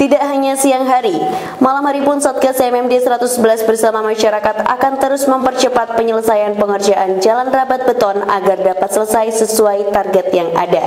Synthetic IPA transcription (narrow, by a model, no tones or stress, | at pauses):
t̪idaʔɦaɲasiaŋɦaɾi | malamɦaɾipʊnsɔt̪̚kasɛmɛmdesəɾat̪ʊsbəlasbərsamamaʃaɾakat̪a̰kant̪əɾʊsməmpərt͡ʃəpat̪̚pəɲələsajanpəŋərd͡ʒaʔand͡ʒalanrabat̪̚bət̪ɔna̰ɡardapat̪sələsajsəsuajt̪arɡɛt̪jaŋa̰da